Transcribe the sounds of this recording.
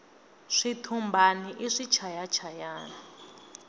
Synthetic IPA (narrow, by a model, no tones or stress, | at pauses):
ʂitʰumbʱaniʔiʂit͡ʃʰajat͡ʃʰajaːni